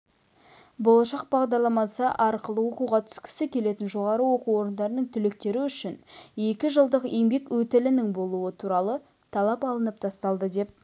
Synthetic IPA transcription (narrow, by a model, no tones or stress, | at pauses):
bolˠɑʃɑq̚bɑʁd̪ɑɾlˠɑmɑsəʔɑɾqəlˠəwo̞quʁɑt̪ʰʏ̥skʲʰɪ̥sɪkʲʰe̞le̞t̪ɪnʒo̞ʁɑɾəwo̞quwo̞ɾənd̪ɑɾənəɴt̪ʰʏlɪk̚t̪e̞ɾɪʏʃɪne̞kʲɪʒəlˠd̪əqe̞ŋbe̞kwɵt̪ɪlɪnɪŋbo̞lˠuət̪ʰuɾɑlˠə | t̪ʰɑlˠɑpɑlˠənəp̚t̪ʰɑst̪ɑlˠd̪əd̪e̞p̚